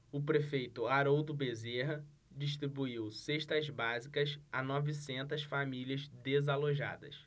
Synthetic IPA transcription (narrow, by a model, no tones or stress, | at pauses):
ʊpɾefejt̪ʊaɾod̪ʊbezeɦɐ | d͡ʒiʃ̬t̪ɾibuiwseʃt̪ɐzbazikɐsanɔvisẽnt̪ɐsfamiliɐzd̪ezaloʒa̰d̪ɐ̰s